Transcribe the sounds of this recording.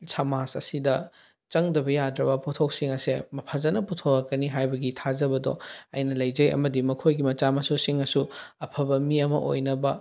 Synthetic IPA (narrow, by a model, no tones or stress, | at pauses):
samasɐsidɐ | t͡ʃɐŋdɐbɐjadɾɐbɐputʰok̚siŋɐsemɐpʰazɐnɐputʰowɐkːɐniɦajbɐɡitʰazɐbɐdɔ̰ɐjnɐlɐjd͡ʒɐjɐ̰mɐdimɐkʰojɡimɐt͡ʃamɐsusiŋɐsuɐpʰɐbɐmiɐmɐ̰ʔo̰jnɐbɐ